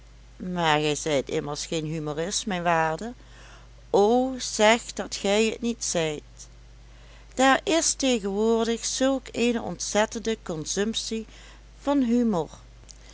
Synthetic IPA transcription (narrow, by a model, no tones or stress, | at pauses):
maːɹɣɛjzɛjtɪ̰məlsxejnɦymorɪsmɛjnʋaːɹdə | owz̥ɛxd̥ɑtxɛjətnitsɛjt | d̥aːɹɪstejɣənʋʊːɹdəxsɵlˠkeːjnəɔ̰ntsɛtəndəkɔnzɵmpsi | v̥ɑnɦymoɹ